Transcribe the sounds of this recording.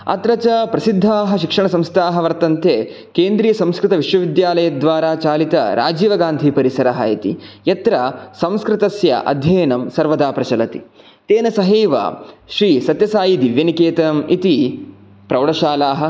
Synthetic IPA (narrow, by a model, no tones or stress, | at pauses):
ɐ̰t̪ɾɐt͡ʃɐpɾɐsid̪ʱːaːɦɐ̆ʃikʂɐɳɐsɐ̃mst̪ʰaːɦɐʋɐɾt̪ɐnt̪eː | keːnd̪ɾiːjɐsɐ̃mskɾɪt̪ɐʋiʂʋɐʋid̪jaːlɐjɐd̪ʋaːɾaːt͡ʃaːlit̪ɐ̰ɾʔa̰ːd͡ʒiːʋɐɡaːnd̪ʱipɐɾisɐɾɐɦɐ̰it̪ḭjɐt̪ɾɐsɐ̃mskɾɪt̪ɐsjɐ̰ʔɐ̰d̪ʱjɐːnɐmsɐɾʋɐd̪aːpɾɐt͡ʃɐlɐt̪ḭ | t̪eːnɐsɐɦeːʋa̰ʃɾiːsɐt̪jɐsaːjid̪iʋjɐnikeːt̪ɐmit̪i | pɾɐʋɽɐʃaːlaːɦɐ̆